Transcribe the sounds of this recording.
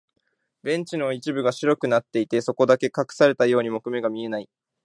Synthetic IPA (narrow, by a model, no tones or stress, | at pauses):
bẽ̞ɲ̟t͡ɕino̞it͡ɕibɯ̟ɡaɕiɾo̞kɯ̟nat̪ːe̞it̪e̞so̞ko̞d̪ake̞kakɯ̟̥saɾe̞t̪ajo̞ːɲ̟imo̞kɯ̟me̞ɡamʲie̞nai